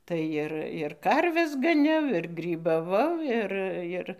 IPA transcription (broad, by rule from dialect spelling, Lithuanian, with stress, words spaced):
ˈtɐɪ ɪr ɪr ˈkɐrʲʋʲɛs ɡɐˈnʲɛʊ ɪr ɡrʲiːbɐˈʋɐʊ ˈɪr ˈɪr